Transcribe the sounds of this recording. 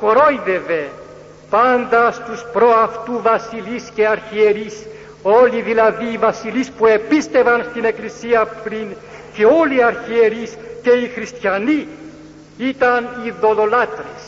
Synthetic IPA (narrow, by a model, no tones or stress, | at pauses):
koɾojðeve̞ | pand̪ɐst̪uspɾoɐft̪uvɐsilisce̞ɐɾçieɾis | o̞liðilɐðiːvɐsilispue̞pist̪e̞vɐnst̪ine̞klisiɐpɾin | ceo̞liɐɾçieɾisce̞ixɾist̪çɐni | it̪ɐniðo̞lo̞lat̪ɾes